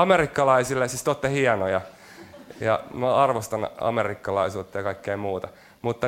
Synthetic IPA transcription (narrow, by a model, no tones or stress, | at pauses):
ɑmerikːɑlɑisilːesist̪ot̪ːehiɑnojɑ | jɑ̰noɑrʋost̪ɑnɑ̰merikːɑlɑisuːt̪ːɑjɑkɑikːeimuːt̪ɑ | mut̪ːɑ